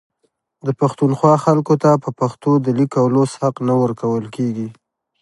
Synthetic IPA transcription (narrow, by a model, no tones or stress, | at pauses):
d̪əpaxt̪unxwɑxalkot̪apəpaxt̪od̪əlikawloshaqnawəɾkawəlkeɡi